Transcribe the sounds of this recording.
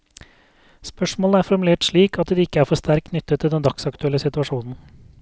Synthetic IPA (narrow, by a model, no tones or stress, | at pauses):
spœʂmoːləæːɾfɔɾmʉleːʈʂɭiːkʰɑt̪d̪iːɪkːəæːɾfɔɾʂt̪æɾk̚kʰnʏt̪ʰːət̪ʰːɪld̪ɛnd̪ɑksɑkt̪ʉɛlːəsɪt̪ʉɑʂuːnn̩